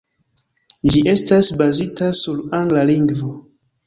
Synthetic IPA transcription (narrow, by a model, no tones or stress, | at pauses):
d͡ʒiʔe̞stasbazitasuɾaŋɡlaliŋɡvo